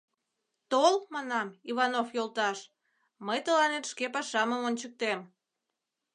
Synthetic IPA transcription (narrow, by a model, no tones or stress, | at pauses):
t̪olmɑnɑmiβɑnofjolt̪ɑʃ | məjt̪əlɑnet̪ʃkepɑʃɑməmont͡ɕək̚t̪em